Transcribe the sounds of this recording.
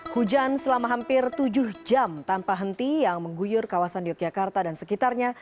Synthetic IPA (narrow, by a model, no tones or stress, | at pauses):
hud͡ʒansəlamaɦampɪrt̪ud͡ʒʊhd͡ʒamt̪anpaɦənt̪ijaŋməŋɡujʊrkawasandiak̚d͡ʒakart̪adansəkit̪arɲa